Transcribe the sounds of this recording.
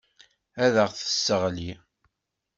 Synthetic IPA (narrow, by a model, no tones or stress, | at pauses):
æðəʁθə̥sːəʁli